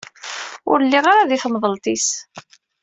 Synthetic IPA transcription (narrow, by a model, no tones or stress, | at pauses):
ʊ̰ɾlːiʁaɾaðiθəmðˤəlt̪ˤis